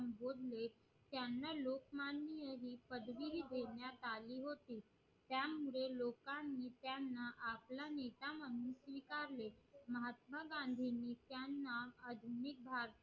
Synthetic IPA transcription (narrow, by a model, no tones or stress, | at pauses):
mbod̪le | t̪janːalokmanːijəɦiːpəd̪ʋilid̪ʱeɳjat̪aliːɦot̪iː | t̪jamuɭelokanːiːt̪janːaʔaplanet̪aməɽuːnsʋikaɾleməɦat̪məɡãnd̪ʱinːiːt̪janːaəd̪ʱunik̚bʱaɾt̪